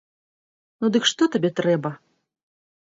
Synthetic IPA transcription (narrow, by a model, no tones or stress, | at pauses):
nud̪ɨkʂt̪ɔt̪abʲɛt̪ɾɛbɐ